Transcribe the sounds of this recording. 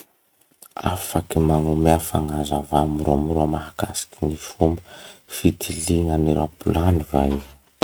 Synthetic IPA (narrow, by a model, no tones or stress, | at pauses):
a̰fakimaŋumeafaŋazavamiruamruamaɦakasi̥kinifumbəfit̪ʰiliŋaniɾapulanivaj